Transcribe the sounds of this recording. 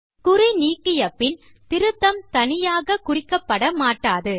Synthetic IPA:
kʊɾɪniːkːɪjɐpːɪl | t̪ɪɾɯt̪ːɐmt̪ɐnɪjaːɣɐkʊrɪkːɐpːɐɽɐmaːʈːaːðɯ

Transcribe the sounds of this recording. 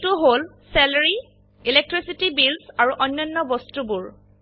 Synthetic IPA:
tuɦol | sɛlaɹi | ilek̚tɹisitibilsaɹuʔɔnːɔnːɔbɔstubuɹ

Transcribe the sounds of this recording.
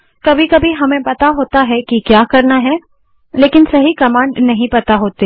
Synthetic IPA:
kɐbʱikɐbʱiɦɐmẽpɐt̪aɦoːt̪aɦɛkikjaːkɐɾnaɦɛ | leːkɪnsɐɦikɐmãːɳnɐɦĩpɐt̪aɦoːt̪e

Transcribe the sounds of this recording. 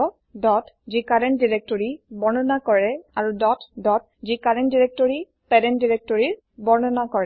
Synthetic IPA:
ɔ | dɔtzikaɹɛndiɹɛk̚tɔɹibɔɹnɔnakɔɹɛaɹudɔtdɔt̚ | zikaɹɛntdiɹɛk̚tɔɹi | pɛɾɛndiɹɛk̚tɔɹiɹ | bɔɹnɔnakɔɹɛ

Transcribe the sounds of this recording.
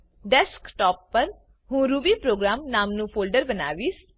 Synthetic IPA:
ɖɛskʈɔːpːəɾ | ɦũːɾuːbiːpɾoːɡɾaːmnaːmnũːpʰoːlɖəɾbəna̰ːʋiːs

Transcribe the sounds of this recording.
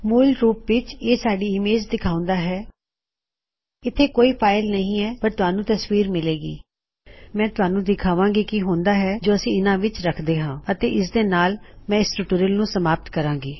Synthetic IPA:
muːlɾuːpʋɪt͡ʃeːsaːɖiːɪmeːd͡ʒd̪ɪkʰaːʊ̃nd̪aːɦɛː | ɪt̪ʰːeːkoːiːpʰaːɪlnəɦĩːɛːpəɾt̪ʊɦaːnũːt̪əsʋiːɾmɪleːɡḭː | mɛ̃ːt̪ʊɦaːnũːd̪ɪkʰaːʋãːŋɡiːkɪɦõːnd̪aːɦɛːd͡ʒoːəsĩːɪnãːʋɪt͡ʃɾəkʰd̪eːɦãːət̪eːʔɪs̬d̪eːnaːlmɛ̃ːɪsʈʊʈuːɾəlnũːsəmaːp̚t̪kəɾãːŋɡiː

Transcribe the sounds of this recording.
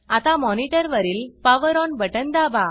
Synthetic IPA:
at̪amɔniʈəɾʋəɾiːlpaʋəɾɔnbəʈənd̪aba

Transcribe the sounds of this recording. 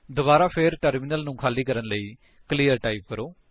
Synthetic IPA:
d̪obaːɾaːpʰɪɾʈəɾmɪnəlnũːkʰaːliːkəɾənləiː | kəliːəɾʈaːip̚kəɾoː

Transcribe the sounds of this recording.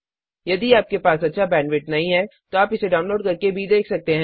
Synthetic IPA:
jɐd̪iaːp̚kepaːsɐtːʃʰabɛ̃ːnʋɪʈnɐɦĩɦɛt̪oaːpɪseɖaːʊ̃nloːɖkɐɾkebʱid̪eːkʰsɐk̚t̪eɦɛ̃ː

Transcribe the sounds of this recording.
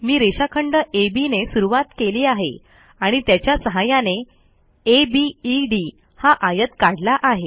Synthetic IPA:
miːɾeɕakʰəɳɖəʔebinesuɾuʋat̪keliːaɦḛ | aɽ̃it̪jat͡ɕjasəɦajane | ebiːɖi | haʔajət̪kaɽlaʔaɦe

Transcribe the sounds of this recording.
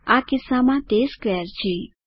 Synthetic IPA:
akɪsamãt̪eːskɛːɾt͡ʃʰiː

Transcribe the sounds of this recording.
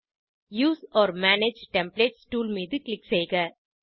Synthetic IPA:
juːsɔːɾmæːned͡ʒʈɛ̃mpleːʈsʈuːlmiːd̪ɨklɪkseːɡɐ

